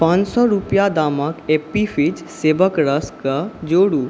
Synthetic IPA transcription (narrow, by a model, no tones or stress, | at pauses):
pãnt͡ʃsɔɾupjad̪aːməkepifʰid͡ʒ | seːʋəkɾəskəd͡ʒoːɽuː